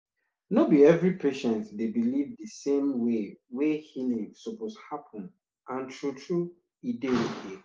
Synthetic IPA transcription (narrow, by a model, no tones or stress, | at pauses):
nobiɛvɹipʰeʃɛ̃ntdebilivdəsẽmwewehinẽsoposhapʰɔ̃n | ʔãntʰɹutʰɹu | idɛnitʰi